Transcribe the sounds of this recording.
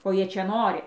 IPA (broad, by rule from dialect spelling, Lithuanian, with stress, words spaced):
koː ˈjiɛ ˈt͡ʃʲɛ ˈnoːrʲɪ